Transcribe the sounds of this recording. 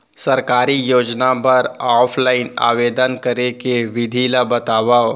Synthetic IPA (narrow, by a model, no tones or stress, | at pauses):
sɐɾkaːɾijoːd͡ʒnapɐɾɔːpʰlaːɪna̰ːʋeːd̪ənkɐɾekeʋɪd̪ʱiːlabɐt̪aːʋao